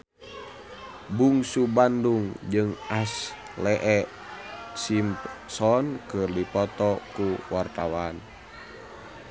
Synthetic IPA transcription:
buŋsubanduŋd͡ʒɨŋʔas | lɛʔɛʔ | simpsɔnkɨrdipɔt̪ɔkuwart̪awan

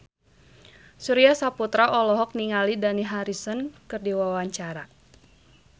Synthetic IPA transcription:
suɾiasaput̪ɾaʔɔlɔɦɔk̚niŋalidaniɦaɾisɔnkɨrdiwawaɲt͡ʃaɾa

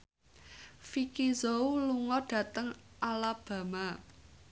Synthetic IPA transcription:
fikizowluŋɔɖ̥ä̤t̪əŋʔalab̥ä̤ma

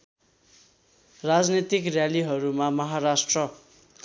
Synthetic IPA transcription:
rad͡znit̪ikrjaliɦʌɾumamʌɦaɾasʈrʌ

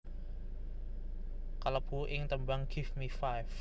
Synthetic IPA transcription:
kaləpʰuʔɪŋt̪əmbaŋɡ̥ɪfmifajf

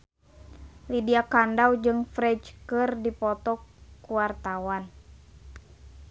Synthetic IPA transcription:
lidiakandawd͡ʒɨŋfɾɛd͡ʒkɨrdipɔt̪ɔkuwart̪awan

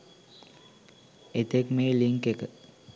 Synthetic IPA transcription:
et̪ekmeːliŋkekə

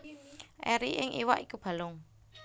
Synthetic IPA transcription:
ʔɛɾiʔɪŋʔiwaʔikub̥a̤lʊŋ

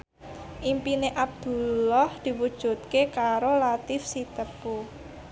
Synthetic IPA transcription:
ʔimpineʔab̚d̪̥ṳlɔhd̪̥i̤wud̥ʒ̥ṳt̪̚kekaɾolat̪ɪfsit̪əpu

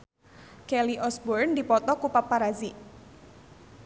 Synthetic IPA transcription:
kɛliʔɔsbɔrndipɔt̪ɔkupapːaɾazi

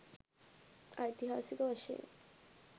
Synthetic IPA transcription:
ajt̪iɦasikoaʃḛ

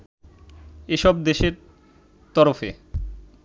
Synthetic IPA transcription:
eʃɔb̚d̪eʃeɾ | t̪ɔɾofe

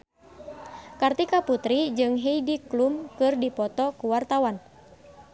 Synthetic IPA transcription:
kart̪ikaput̪ɾid͡ʒɨŋɦeidiklumkɨrdipɔt̪ɔkuwart̪awan

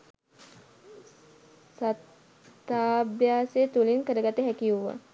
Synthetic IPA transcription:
sat̪ː | aːbjaːset̪ulinkəɾəɡat̪əɦækiuʋːa̰

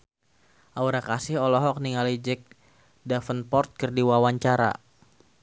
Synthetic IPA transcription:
ʔauɾakasɪhɔlɔɦɔk̚niŋalid͡ʒɛk̚ | dafənpɔrt̪̚kərdiwawaɲt͡ʃaɾa̰

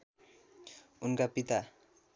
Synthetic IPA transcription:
unkapit̪a

